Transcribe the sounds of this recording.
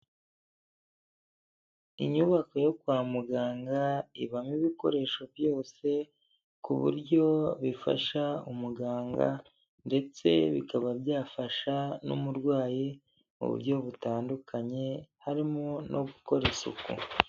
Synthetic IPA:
iɲuβakojo̞kwaːmuɡaːŋɡaiβamiβiko̞̰ɾe̞ʃovjo̞ːse̞ | kuβṵɾɟo̞βifa̰ʃaumuɡaːŋɡa̰ | nde̞t͡se̞̰βikaβabjaːfaʃanṵmuɾɡwaːji | ṵβṵɾjo̞βutaːndukʰaɲe̞haɾimonʔoβuko̞ɾe̞sṵkṵ

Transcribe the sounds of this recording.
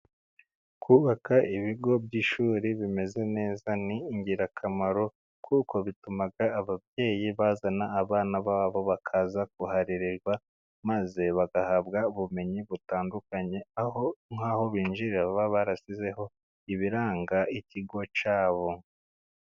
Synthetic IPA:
kʰuβakaʔiβiɡo̞bɟiʃuːɾiβime̞ze̞ne̞ːzaniːɲɟiɾakʰamaɾo̞ | kʰuko̞βitumaɡaːβabje̞ːjiβaːzanaːβaːnaβaβo̞βakʰazak̚uhaɾiɾiɾɡwa | maze̞βaɡahabɡauβume̞ɲiβutaːndukaɲe̞ahoŋaːho̞βiːnʒiɾiaβaβaɾasize̞ho̞ | iβiɾaːŋɡaiciɡo̞t͡ʃaːβo̞

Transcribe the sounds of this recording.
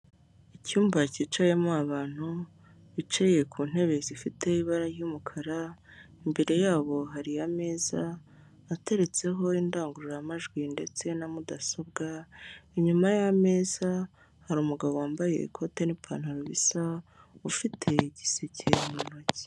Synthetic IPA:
icuːmbacit͡ʃajemoaβaːn̥hu | βit͡ʃeje̞kʰuːn̥e̞βe̞zifite̞iβaɾaɾjumukʰaɾa | imbe̞ɾe̞jaːβo̞ɦaɾijame̞ːzaː | te̞ɾe̞t͡se̞ɦo̞indaːŋɡuɾuɾaamaʒɡwinde̞t͡se̞namudasobɡaiɲumajame̞ːza | haɾuːmuɡaβowaːmbaje̞̰ḭkʰo̞te̞nipʰa̰ːn̥haɾoβisaufitʰe̞ɟisecʰemunoci̥

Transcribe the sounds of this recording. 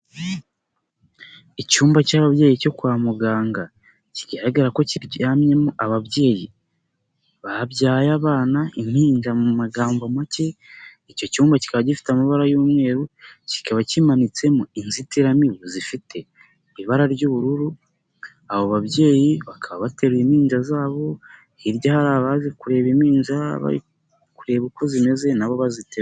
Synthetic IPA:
icuːmbacaβaβje̞ːjico̞kwaːmuɡaːŋɡa | ciɡaɾaɡaɾako̞ciɾaːmɲe̞muʔaβaβje̞ːji | βabjaːjaβaːnaim̥hiːɲd͡ʒamumaɡaːmbomace̞ico̞cuːmbaci̥kaβaɟifi̥tamaβaɾajuːmŋe̞ːɾuci̥kaβacimanit͡se̞muinzitiɾamiβozifitʰe̞ | iβaɾaɾɟuːβuɾuɾu | aβoβaβɟe̞ːjiβakʰaβaβate̞ɾwim̥iːɲd͡ʒazaːβo̞ | iɾɟahaɾaːβazikuɾe̞βimiːɲzaβa̰ḭ | kuɾe̞βiko̞zime̞ze̞naβo̞βazitʰe

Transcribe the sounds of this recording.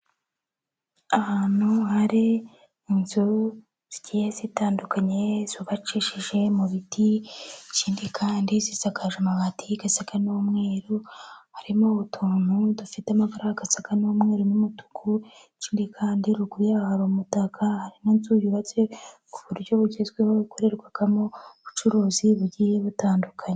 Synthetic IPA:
ahaːn̥huhaɾiː | nzu | z̥iɟihezitaːndukʰaɲe̞z̥uβat͡ʃiʃiʒe̞muβitit͡ʃiːndikʰaːndizizakʰaʒomaβatʰiɡasakanomŋe̞ːɾuhaɾimoβutʰuːn̥hudufitamavaɾahaɡasakanomŋe̞ːɾunumutu̥ku | t͡ʃiːndikʰaːndiɾukuɾijahaɾomutakʰahaɾinonzujuβat͡se̞kuβuɾjo̞βuɟezɡweho̞ikʰo̞ɾe̞ɾɡwaɡ̥amoβut͡ʃuɾuːziβuɾɟijeβutaːndukʰaɲe

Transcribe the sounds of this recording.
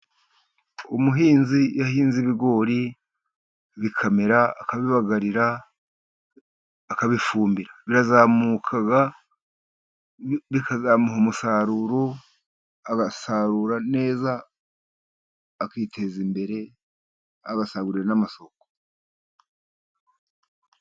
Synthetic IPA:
umuɦiːnzijahiːnziβiɡo̞ːɾi | βikʰameɾaːkaβiβaɡaɾiɾa | kaβifuːmbiɾaβiɾazaːmukʰaɡa | βikazaːmuɦomusaːɾuɾo | aɡasaɾuɾane̞ːza | kiːtʰe̞zimbe̞ɾe̞ | aɡasaɡuɾiɾanamaso̞ko̥

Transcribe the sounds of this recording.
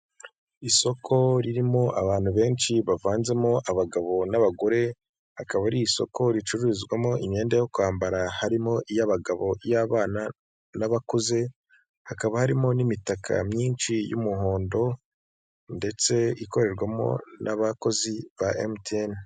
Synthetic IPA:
iso̞kʰo̞ɾiɾimo̞ʔaβaːn̥uβe̞ːnʃiβavaːnze̞mo̞ʔaβaɡaβo̞naβaɡo̞ɾe̞ | hakaβaɾiiso̞̰ko̞ɾit͡ʃuɾuizɡwamo̞ʔimɲe̞ːndejo̞kwaːmbaɾahaɾimo̞ʔijaβaɡaβo̞ijaβaːna | naβakoze̞ | hakaβahaɾimo̞nimitakʰa̰mɲiːnʃijṵmuho̞ːndo̞ | nde̞t͡se̞iko̞ɾe̞ɾɡwamo̞̰nʔaβako̞ziβaʔemten

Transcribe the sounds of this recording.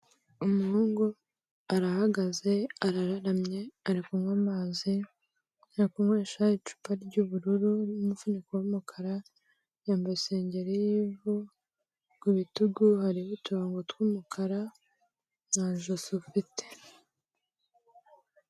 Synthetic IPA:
umuhuːŋɡu | aɾahaɡaze̞aɾaɾaɾamɲe̞aɾikumŋamazi | aɾikumŋweːʃait͡ʃu̥paɾɟuːβuɾuɾunumufunikaumukʰaɾa | jaːmbajse̞ːɲɟe̞ɾijivu | ɡiβituɡuhaɾiβutuaŋɡotwumukʰaɾa | naʒosufite̥

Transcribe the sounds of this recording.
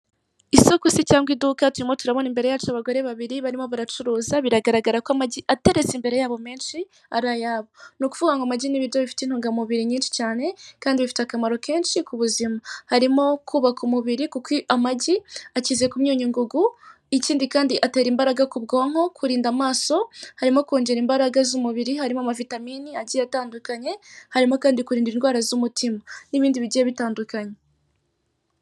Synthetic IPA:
iso̞kusicaːŋɡwidukatuɾimotuɾaβo̞nimbe̞ɾe̞jaːt͡ʃuaβaɡoɾe̞βaβiɾiβaɾimo̞βaɾat͡ʃuɾuːzaβiɾaɡaɾaɡaɾakoamaɟiʔate̞ɾe̞zimbe̞ɾe̞jaːβo̞me̞ːnʃi | a̰ɾajaːβo̞nukuvuɡaŋɡomaɟiniβiɾjo̞βifi̥tin̥huːŋɡamuβiɾiɲiːnʃi̥caːne̞kaːndiβifi̥teakamaɾo̞kʰe̞ːnʃikuβuzimahaɾimo̞kʰuːβakumuβiɾikukiʔamaɟiaciːze̞kumɲuːɲiŋɡuɡu | iciːndikaːndiʔate̞ːɾiːmbaɾaɡakubɡoːŋ̥ho̞kʰuɾiːndamaːso̞haɾimo̞koːɲɟeɾiːmbaɾaɡazumuβiɾihaɾimoamavitamiːniaɟijataːndukaɲe̞haɾimo̞kaːndikuɾiːndiɾinɡwaːɾazumutʰimaniβiːndiβiɟijeβitaːndukaɲe̞

